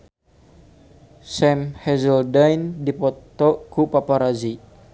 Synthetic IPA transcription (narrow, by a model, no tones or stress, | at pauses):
sɛmhɛzəldajndipɔt̪ɔkupapaɾazi